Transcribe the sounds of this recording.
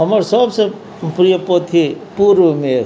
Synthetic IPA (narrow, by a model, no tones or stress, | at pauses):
ɦəməɾsəbse | pɾijəpot̪ʰipuɾʋəmẽ